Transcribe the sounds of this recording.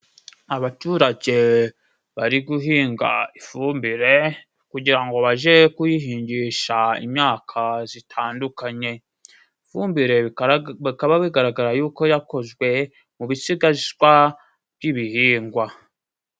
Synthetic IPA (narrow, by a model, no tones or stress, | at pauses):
aβatuɾaɟe̞ | βaɾiɡuɦiːŋɡa̰ifumbiɾe̞ | kuɟiɾaŋɡo̞βaʒe̞kujiɦiːɲɟiʃaḭmɲaːkʰazitʰaːndukaɲe̞ | ifuːmbiɾe̞akaβaβiɡaɾaɡaɾajuːko̞jako̞zɡwe̞ | muβisiɡaʒɡwa | b̥jiβihiːŋɡwa